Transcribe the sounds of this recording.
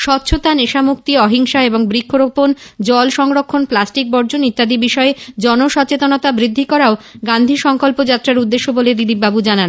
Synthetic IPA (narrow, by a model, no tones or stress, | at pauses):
ʃɔt̪ːɕʰot̪aneʃamuk̚t̪iɔɦiŋʃaeboŋbɾikʰːoɾopond͡ʑɔlʃɔŋɾokʰːonplasʈik̚bɔɾd͡ʑonit̪ːad̪ibiʃɔed͡ʑɔnoʃɔt͡ɕet̪onot̪abɾid̪ʱːikɔɾaoɡand̪ʱiʃɔŋkolpod͡ʑat̪ːɾaɾud̪ːeʃːoboled̪ilip̚ːbabud͡ʑanan